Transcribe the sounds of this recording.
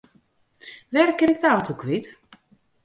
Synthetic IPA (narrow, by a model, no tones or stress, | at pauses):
ʋɛrkɪnɪk̚dəawtʰokʰʋit